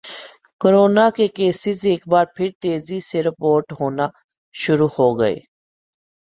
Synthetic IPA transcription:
kəɾoːnaːkeːkeːsɪzeːkbaːɾpʰɪɾt̪eːziːseɾɪpoːɾʈɦoːnaː | ʃʊɾuːhoːɡəḛː

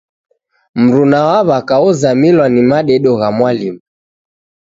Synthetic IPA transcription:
m̩ɾunawaβakauzamilwanimaɗɛɗɔɣamwalimu

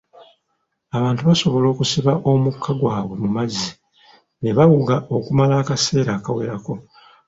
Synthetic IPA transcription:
aβaːntuβaso̞βo̞lo̞ːkusiβaʔo̞mukʰːaɡwaːβwe̞mumazːi | neβawuɡao̞kumalaːkase̞ːɾaːkawe̞̰ɾako̞

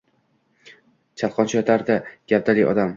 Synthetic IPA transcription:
t͡ʃʰalqʰɒnt͡ʃʰɪjɒt̪ʰaɾd̪aɡ̥ʲap̚d̪alɪjɒ̰d̪am

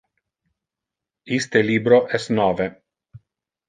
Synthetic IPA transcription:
ist̪eliːbɾoʔɛst̪nɔːve

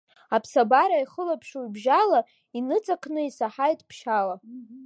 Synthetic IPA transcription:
apʰsabaɾaiχəlapʰʂuibʒala | inɨt͡sʼakʰnɨisaħajtʼpʰʃala

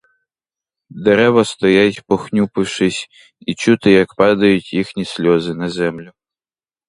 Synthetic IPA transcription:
d̪eɾɛʋɐst̪ɔjatʲpɔxnʲupɪwʃɪsʲ | it͡ʃut̪ɪjɐkpɑd̪ɐjʊtʲjixnʲisʲlʲɔzɪnɐzɛmlʲʊ

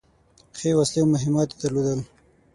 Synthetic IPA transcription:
xewaslewmʊɦɪmɑt̪ed̪aɾlod̪əl

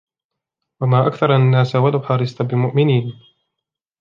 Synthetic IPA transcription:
wamaːʔakθɑɾˤanːaːsawalawħɑɾˤɪst̪abɪmʊʔmɪniːn

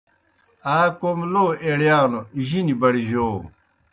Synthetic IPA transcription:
aːkomloːeɽjaːnoiʑinibɐɽiʑoː

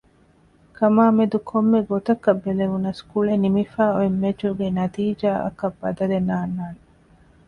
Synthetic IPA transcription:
kʰɐmaːmed̪ukʰomːeɡot̪ɐkɐbːeleʋunɐskuɭenimifaːoemːet͡ʃuɡenɐt̪iːd͡ʒaːʔɐ̰kɐbːɐd̪ɐlenaːnːaːne

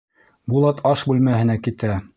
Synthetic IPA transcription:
bulˠɑt̪ʰɑʃbʉlmæhɘ̆nækit̪æ

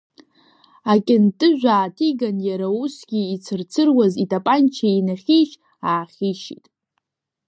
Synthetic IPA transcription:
akʲʼɪntʼɨʒᶣʷaːtʰiɡanjaɾausɡʲiːt͡sʰɨrt͡sʰɨrwazitʼapʼant͡ʃʰainaχʲiʃ | aːχʲiʃḭtʼ

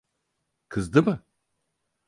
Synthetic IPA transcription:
kʰɨzd̪ɨmɨ

